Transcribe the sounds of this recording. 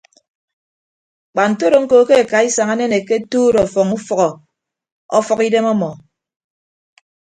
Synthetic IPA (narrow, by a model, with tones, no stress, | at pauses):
k͡pa˨n̩˨to˦ɾo˨ŋ̩˦ko˨˦ke˦e˨ka˨i˦sa˨ŋa˦ne˦ne˨ke˦tuː˦ɾɔ˨fɔ˨ŋu˦fɔ˨ɣɔ˨ | ɔ̰˦fɔ˦ki˦de˦mɔ˦mɔ˨